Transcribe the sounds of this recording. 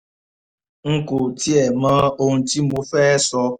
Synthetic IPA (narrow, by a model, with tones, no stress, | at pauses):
ŋ̩˦ku˨ti˦ɛ˨mã˦o˦n̩˨ti˦m̩˦bu˦fɛː˦sɔ˧